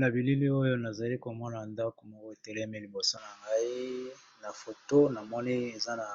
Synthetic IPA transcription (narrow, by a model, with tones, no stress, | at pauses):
na˨bi˨li˦li˦o˦jo˦na˨za˨li˦ko˨mɔ˦na˨nda˦ko˨mɔ˦ko˦e˨te˨lɛ˦me˦li˨bo˨so˦na˨ŋɡa˦i˦ | na˨fo˨to˦na˨mɔ˦ni˦e˨za˦na˨